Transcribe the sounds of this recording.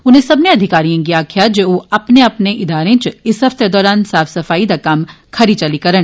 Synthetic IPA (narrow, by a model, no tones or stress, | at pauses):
ʊnɦẽsɐbneɐd̪ʱɪkaːɾijãɡijakʰijad͡ʒeoɐpneɐpneʔɪd̪aːɾẽt͡ʃɪsɦɐft̪ed̪ɔːɾaːnsaːfʰsɐfaːid̪akɐm | kʰɐɾit͡ʃɐlikɐɾəɽ̃